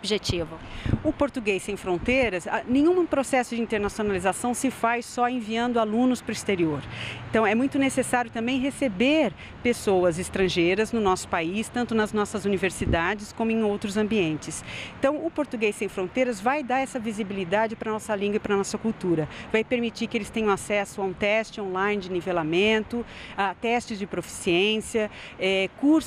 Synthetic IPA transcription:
obʒet͡ʃivʊʊpoɾt̪uɡejsẽj̃fɾõnt̪ejɾɐsanẽɲ̃ũpɾosɛsʊd͡ʒɪĩnt̪eɾnasionalizasɐ̃w̃sɪfajsɔẽviɐ̃nd̪ʊalũnʊspɾʊist̪eɾioɾẽnt̪ɐ̃w̃ɛmũj̃t̪ʊnesesaɾjʊt̪ɐ̃mbẽj̃ɦesebeɾ | pesowɐzɪst̪ɾɐ̃ʒejɾɐznʊnɔsʊ̥paist̪ɐ̃nt̪ʊnɐznɔsɐzuniveɾsid̪ad͡ʒɪskõmʊẽj̃owt̪ɾʊzɐ̃mbiẽnt͡ʃɪsẽt̪ɐ̃w̃ʊpoɾt̪uɡejsːẽj̃fɾõnt̪ejɾɐzvajd̪aɾɛsɐvizibilid̪ad͡ʒɪpɾɐnɔsɐlĩɡwɐɪpɾɐnɔsɐkuwt̪uɾɐvajpeɾmit͡ʃiɾkɪelɪst̪ẽɲ̃ɐ̃w̃asɛsʊaũt̪ɛst͡ʃɪõlaj̃nɪd͡ʒɪnivelamẽnt̪ʊat̪ɛst͡ʃɪzd͡ʒɪpɾofi̥siẽsiɐ | ɛkuɾs

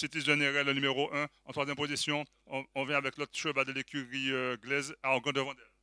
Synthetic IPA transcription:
sit̪iʒeneʁɛlɔ̃nymeʁoʔɛ̃ɑ̃t̪χwazjɛmpozisjɔ̃ː | vjɛ̃avɛklɔt̪ʃəvad̪əlekʰʲyʁiøɡlɛzaɔ̃ɡɑ̃d̪əvɑ̃d̪ɛl

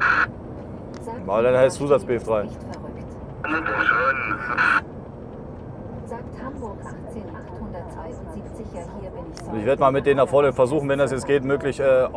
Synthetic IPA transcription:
ja̰ːdanhaɪst͡sːuːzat͡sb̥eːfd̥ʁaɪ | zaːkthambʊɐkʔaχt͡seːnʔaχthʊndɐtvaɪʊntz̥ipt͡sɪhiːɐn | ɪçveːɐdəmaːlmɪt̚d̥eːnaχfɔɐnəfɛɐzuːχn̩vɛndasjɛt͡sɡ̥eːtmøːklɪçʔɛː

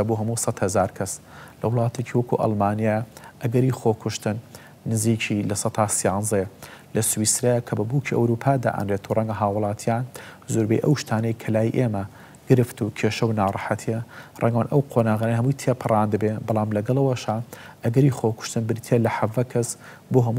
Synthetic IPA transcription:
ɐbuɦɐmuːsɐt̪hɐzaːɾkʰɐs | lɐwlˠɑːt̪ʰet͡ʃʰiwɐkṵʔɑ̰lˠmaːnijajʔɐɡɐɾixokʰʊʃt̪ɨnː | ɨziːt͡ʃʰilɐsɐt̪ʰaːsijɑːnzelɐswisɾajakʰɐbɐbuːkʰiʔɐ̰wɾuːpʰaːd̪a̰ːʔə̰nɾeːt̪ʰurˤɐŋɡɐɦaːwʊlˠɑːt̪ʰjaːnzoːɾbejʔɐ̰wʃt̪ʰaːnɐjkʰɐlaːjiʔeːmɐ | ɡ̥ɨɾɨft̪ukʰeʃɐwnaːrˤɑħat̪ʰijɐrˤʔɐ̰ŋɡwanʔɐ̰wqʰonaːɣaːnəhɐmujt̪ʰepʰɨrˤaːnd̪ɨbebɑlˠɑːmlɐɡɐlˠɐwɐʃaʔɐɡɐɾiːxokʰʊ̥ʃt̪ɨnbɨɾt̪ʰelɐħɐvɐkʰɐs | boːɦɐmu

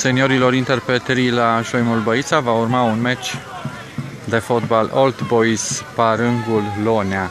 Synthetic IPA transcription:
se̞nio̞ɾilo̞ɾint̪e̞rpɾet̪eɾilaʃojmulbəit̪savaurmaunmet͡ʃʲ | d̪e̞fot̪balolt̪bojspaɾɨŋɡulːo̞nea

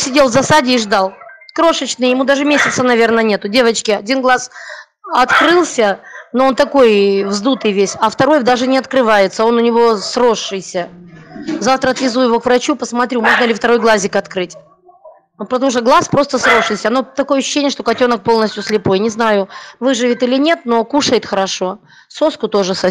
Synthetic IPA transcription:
sʲɪdʲelˠvzɐsadʲɪːʐd̪alˠkɾo̞ʂət͡ɕnɨjjɪmud̪aʐɨmʲesʲɪt̪sənɐvʲe̞rnənʲet̪ʊdʲevət͡ɕkʲɪɐdʲinɡlˠas | ɐt̪kɾɨlˠsʲənoont̪ɐko̞jvzd̪ut̪ɨjvʲesʲɐft̪ɐɾo̞jd̪aʐɨnʲɪɐt̪kɾɨvajɪt̪səo̞nʊnʲɪvo̞sɾo̞ʂːɨjsʲə | zaft̪ɾəɐt̪vʲɪzujɪvo̞kvɾɐt͡ɕupəsmɐt̪ɾʲumo̞ʐnəlʲɪft̪ɐɾo̞jɡlˠazʲɪkɐt̪kɾɨt̪ʲ | pət̪ɐmuʂ̬t̪əɡlˠaspɾo̞st̪əsɾo̞ʂːɨjsʲəɐno̞t̪ɐko̞jəɐɕːʏɕːenʲɪjəʂt̪okɐtʲo̞nək̚po̞lˠnəsʲtʲjʊsʲlʲɪpo̞jnʲɪznajʊvɨʐɨvʲɪt̪ɨlʲɪnʲe̞t̪̚no̞kuʂəjɪt̪xəɾɐʂo̞ | so̞skʊt̪o̞ʐɨsɐ

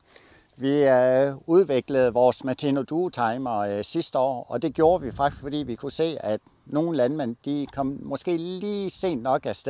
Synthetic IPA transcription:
ʋi | uðˠʋe̝ɡ̥ləð̞̩ˠʋɒːsmæt͡sʰeno̝d̥uːt͡sʰɑ̈ɪmɐsisd̥əɒ̰ːɒ̽d̥e̝ɡ̥jo̝ːɐʋifɑ̈ɡ̥isɡ̥fɒ̽d̥ḭːʋikʰuse̝̰ːæd̥ | no̝ːn̩lænmen̰d̥ikʰɒ̽m̰mɒ̽sɡ̥e̝̰ːliːse̝̰ːnnɒ̽ɡ̥æsd̥

